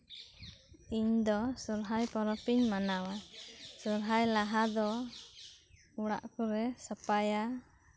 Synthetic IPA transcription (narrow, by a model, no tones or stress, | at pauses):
iɲd̪ɔsuɾɦajpɔɾɔpiɲmanawasuɾɦajlaɦad̪ɔ | uɽa̰ʔkuɾɛsəpaja